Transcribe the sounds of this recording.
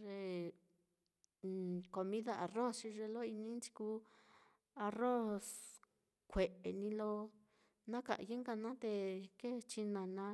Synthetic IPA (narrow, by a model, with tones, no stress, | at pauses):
ʐe˧˨ | ko˧mĩ˦ða˦ʔa˨ro˦st͡ʃi˧ʐe˧lo˦i˧nĩ˦nt͡ʃi̥˧ku˧ | a˧ro˦s | kʷe˨ʔe˨nĩ˧lo˧ | nã˦ka̰˨ʔje˦ŋɡa˧nã˦t̪e˧ke˦t͡ʃi˧nã˨nã˧˦